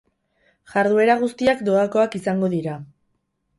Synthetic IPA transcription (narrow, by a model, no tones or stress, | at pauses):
ʝaɾðue̞ɾaɣ̞ust̪iakd̪o̞ako̞akisaŋɡo̞ðiɾa